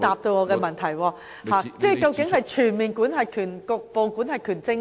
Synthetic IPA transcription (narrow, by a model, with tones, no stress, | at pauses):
t̪aː˨p̚t̪o˧wŋɔː˨˧kɛː˧mɐ˨˩nt̪ʰɐ˨˩jwɔː˧ | haː˨˩t͡sɛː˥˩kɐ˧wkɪ˨˥ŋɦɐ˨jt͡ʃʰyː˨˩nmiː˨nkuː˨˥nɦɐ˨jkʰyː˨˩nkʊ˧k̚po˨˧wkuː˨˥nhɐ˨jkʰyː˨˩nt͡sɪ˧ŋ